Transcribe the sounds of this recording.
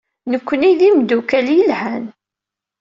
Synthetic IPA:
nəkʷːəniðimd̪ukæljəlhæn

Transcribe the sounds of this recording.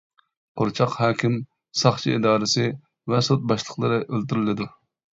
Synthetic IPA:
qʰoɾt͡ʃʰɑqhɑːkʲʰim | sɑχt͡ʃʰiid̪ɑːɾɨsɨ | vɛsot̪̚bɑʃlˠəqlˠɨɾɨʔølt̪yɾɪlɪd̪u

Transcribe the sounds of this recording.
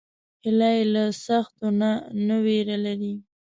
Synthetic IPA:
hɪlajlasaxt̪onanaweɾalaɾi

